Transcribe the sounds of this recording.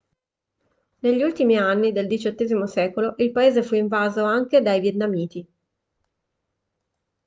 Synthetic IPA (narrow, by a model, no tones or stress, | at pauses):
neʎːiult̪imianːid̪eld̪it͡ʃot̪ːeːzimosɛːkoloʔilpaeːzefuiɱvaːzoaŋked̪ajvjet̪namiːt̪i